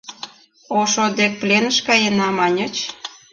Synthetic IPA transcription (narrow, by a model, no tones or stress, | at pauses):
oʃod̪ek̚plʲenə̆ʃkɑjenɑmɑnʲə̆t͡ɕ